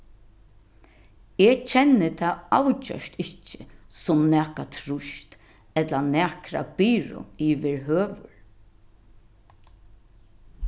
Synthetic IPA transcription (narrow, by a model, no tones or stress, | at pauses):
et͡ʃʰɛnːɪt̪ʰaawt͡ʃœ̰ʃt̪ɪcːɪ̥sʊmnæːkat̪ʰɾʊʃt̪ | ɛt̪lanæːkɾa̰piːɹʊ̰iʋɪɹɦøːʋʊɹ